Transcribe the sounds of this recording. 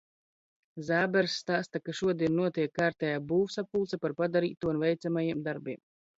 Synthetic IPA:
zaːbɛɾsːt̪aːst̪akaʃuɔd̪iɛnnuɔt̪iɛkːaːɾt̪ʲɛjaːbuːvsap̚pːulˠt̪sapaɾpad̪aɾḭːt̪ːuːunvɛjt̪samajiɛmd̪aɾbiɛm

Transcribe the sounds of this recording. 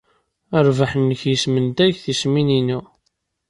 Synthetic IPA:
əɾvaħənːəçjəsmənd̪æʝθisminini

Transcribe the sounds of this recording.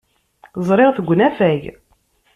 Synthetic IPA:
zˤɾˤeʁθəɡʷːnæfæʝ

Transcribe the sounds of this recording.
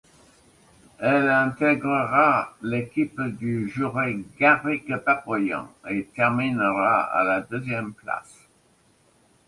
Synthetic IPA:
ɛlɛ̃t̪ɛɡʁəʁalekʲipd̪yʒyʁeɡaʁikpapɔjɑ̰̃et̪ɛʁminʁaa̰lad̪øzjɛmpla̰s

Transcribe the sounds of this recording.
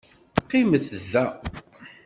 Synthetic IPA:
qːiməθzːæ

